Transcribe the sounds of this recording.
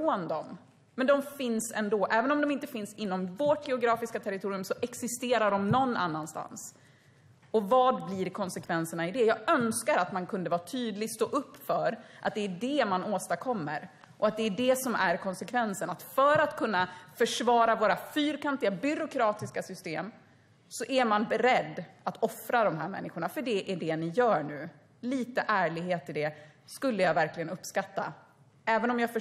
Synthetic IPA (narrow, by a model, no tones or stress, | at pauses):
oːnd̪ɔm | mːɛnd̪ɔmfɪnsɛ̰nd̪oːʔɛːvənɔmd̪ɔmɪnt̪əfɪnsɪnːɔmvoʈjɛʊɡɾɑːfɪskat̪ʰɛɾɪt̪ʰuːɾɪɵmsɔʔɛksɪst̪eːɾaɖɔmnɔnːa̰nːanst̪a̰ns | ɔvɑːd̪bliɾkʰɔnsɛkʰvɛnsəɳaɪd̪ɛjɑːɡœnskaɾat̪mankʰɵnd̪əvɑːt̪ʰyːd̪lɪɡ̪st̪oːʔɵpːfœɾʔa̰t̪̚d̪ɛːɖɛmanoːst̪akʰɔmːə̰ɾ | ʔɔat̪̚d̪ɛːɖɛsɔmæɾkʰɔnsɛkʰvɛnsənat̪fœːɾat̪kʰɵnːafœʂvɑːɾavoːɾafyːɾkʰant̪ɪɡabʏɾʊkʰɾɑːt̪ɪskasʏst̪eːm | sɔʔæɾmanbɛɾɛd̪ːat̪ɔfɾad̪ɔmɦæ̰ːɾmɛ̰nːɪɧʊɳafœɖɛʔæɖɛnɪjœːɳʉ̟ː | liːt̪əʔæːɭɪɡɦeːt̪ʰːɪld̪ɛ | skɵlːəjɑːvæɾklɪɡənɵpːskat̪ːa̰ | ɛːvənɔmjɑːfœ